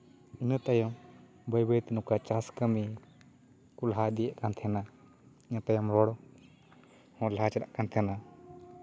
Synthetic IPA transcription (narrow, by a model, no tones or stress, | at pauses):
inət̪ajɔm | bəjbəjt̪ɛnukat͡ʃaskəmi | kulɦad̪ijɛʔkant̪ʰɛna | inət̪ajɔmɾɔɽɔ | hɔ̃lat͡ʃɛɾaʔkant̪ʰɛna